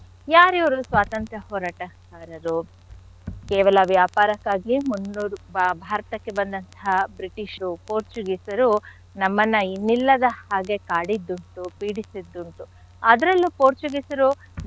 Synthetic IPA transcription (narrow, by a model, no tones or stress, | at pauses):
jaːɾiʋɐɾusʋaːt̪ɐnt̪ɾɐhɔːɾaːʈɐkaːɾɐɾu | kɛːʋɐlɐʋjaːpaːɾɐkːaːɡimunːuːɾubʱaːɾɐt̪ɐkːe̞bɐnd̪ɐnt̪ɐɦɐbɾiʈiʃɾupoːɾt͡ʃuɡisɐɾu | nɐmːɐnːɐinːilːɐd̪ɐhaːɡe̞kaːɽid̪ːuɳʈupiːɽisid̪ːuɳʈu | ɐd̪ɐɾɐlːupoːɾt͡ʃuɡisɐɾu